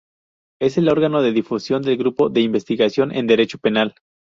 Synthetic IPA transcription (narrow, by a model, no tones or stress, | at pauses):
e̞se̞lo̞ɾɣano̞ðe̞ðifusjo̞nd̪e̞lɡɾupo̞ðe̞imbe̞st̪iɣasjo̞nʔe̞̰nd̪e̞ɾe̞t͡ʃo̞pe̞nal